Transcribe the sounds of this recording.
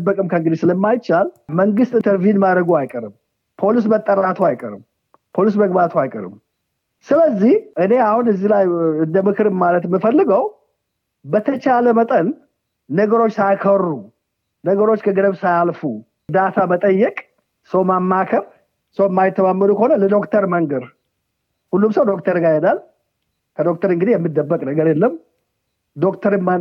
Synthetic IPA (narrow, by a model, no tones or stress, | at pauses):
bəkʼɨmkʰəŋɡɨd̪isɨləmːajt͡ʃalməŋɡɨst̪ʼɨnt̪ʰəɾvijunmad̪ɾəɡuajkʼəɾɨm | pʰo̞lis̬mət̪ʼːəɾat̪ʰoajkʼəɾɨ̰m | pʰo̞lis̬məɡbat̪ʰoajkʼə̰ɾɨ̰m | sɨləzːihʔɨne̞ahunɨzːilajɨnd̪əmɨkʰɨɾɨmmalət̪ɛmːɨfəlːɨɡəw | bət̪ʰət͡ʃaləmət̪ʼənː | əɡəɾo̞t͡ʃːsajkʰərːu | nəɡəɾo̞t͡ʃːkʰəɡəd̪əβsajalfu | d̪at̪ʰamət̪ʼəjːɛkʼ | səwmamːakʰəβ | səwɛmːajɪt̪ʰːəmamːənukʰəhonələd̪o̞kt̪ʰəɾməŋɡəɾ | hulːumsəwd̪o̞kt̪ʰəɾɡajɛnal | kʰəd̪o̞k̚t̪ʰəɾɨŋɡɨd̪ijɛmːɨd̪ːəbːəkʼnəɡəɾjɛlːəm | d̪o̞kt̪ʰəɾmːa